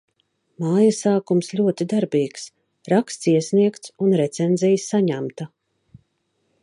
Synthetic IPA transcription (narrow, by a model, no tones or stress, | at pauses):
maːjasaːkumsʎʲuɔt̪id̪aɾbiːks | ɾakst̪siɛsʲniɛkt̪sunɾɛt̪sɛnzʲijsːaɲæmt̪a